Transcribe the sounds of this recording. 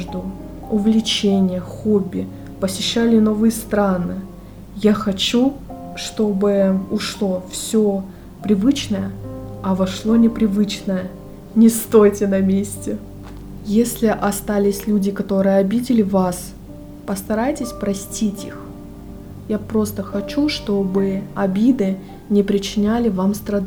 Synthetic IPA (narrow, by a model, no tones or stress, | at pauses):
ʐd̪ʊ | ʊvlʲɪt͡ɕenʲɪjəxobʲːɪ | pəsʲɪɕːalʲɪno̞vɨjəst̪ɾanɨ | jaxɐt͡ɕu | ʂt̪o̞bɨʊʂlˠo̞fsʲo | pɾʲɪvɨt͡ɕnəjəɐvɐʂlˠo̞nʲɪpɾʲɪvɨt͡ɕnəjə | nʲɪst̪ojtʲɪnɐmʲesʲtʲɪ | jesʲlʲɪʔɐst̪alʲɪsʲlʲudʲɪkɐt̪o̞ɾɨjəɐbʲidʲɪlʲɪvas | pəst̪ɐɾajtʲɪsʲpɾɐsʲtʲitʲix | japɾo̞st̪əxɐt͡ɕuʂt̪o̞bɨɐbʲid̪ɨ | nʲɪpɾʲɪt͡ɕɪnʲalʲɪvamst̪ɾɐd̪